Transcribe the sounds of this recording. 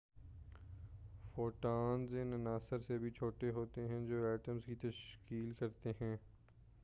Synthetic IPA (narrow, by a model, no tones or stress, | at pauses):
foːʈaːnzɪnɐnaːsəɾsebʱit͡ʃʰoːʈeɦoːt̪eɦɛ̃d͡ʒoːɛːʈəmzkit̪ɐʃkiːlkɐɾt̪eɦɛ̃ː